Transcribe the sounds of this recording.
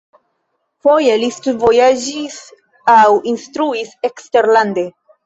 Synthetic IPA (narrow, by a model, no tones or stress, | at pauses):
fo̞jelistudvo̞jad͡ʒis | awinstɾuisekste̞ɾlande̞